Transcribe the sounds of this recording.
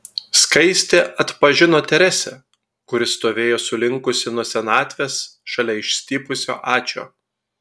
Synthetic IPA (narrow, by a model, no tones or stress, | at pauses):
skɐɪsʲt̪ʲeʔɐt̪pɐʒʲɪnoːt̪ʲɛɾʲɛsʲɛ | kʊɾʲɪst̪oːʋʲeːjoːsʊlʲɪŋkʊsʲɪnɔsʲɛnɑːt̪ʲʋʲeːsʃɐlʲɛɪʃʲsʲt̪ʲiːpʊsʲo̰ːʔɑːt͡ʃʲo̰ː